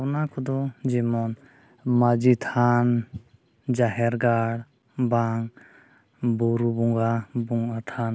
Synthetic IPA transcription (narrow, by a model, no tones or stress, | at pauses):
wnakʰɔd̪ɔd͡ʒimɔn | mad͡ʒit̪ʰan | d͡ʒaɦɛɾɡaɽ | baŋ | buɾubuŋɡabuŋat̪ʰan